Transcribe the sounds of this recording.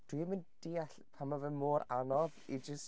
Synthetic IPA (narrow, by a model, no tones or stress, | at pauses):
d̥wimɪnd̥iːaɬ | pʰamavɛmoːɾanɔvid͡ʒəs